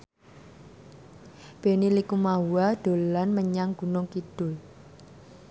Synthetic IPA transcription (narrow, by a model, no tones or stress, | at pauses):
b̥e̤nilikumawad̪̥o̤lanməɲaŋɡ̥ṳnʊŋkid̥ʊ̤l